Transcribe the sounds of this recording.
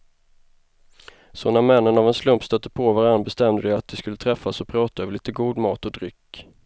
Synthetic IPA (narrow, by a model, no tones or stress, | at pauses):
sɔnamɛnːənavɛnslɵmpst̪œt̪ːəpʰovaɾanːbɛst̪ɛmd̪əd̪ɛat̪̚d̪ɛskɵlːət̪ʰɾɛfːasɔpʰɾɑːt̪aøːvəɭiːt̪əɡuːd̪mɑːt̪ɔd̪ɾʏkː